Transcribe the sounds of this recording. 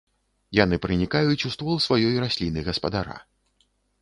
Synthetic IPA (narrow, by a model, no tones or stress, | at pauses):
jan̪ɨpɾɨnʲikajut͡sʲust̪vɔlˠsvajɔjɾasʲlʲinɨɣɐspɐd̪aɾa̰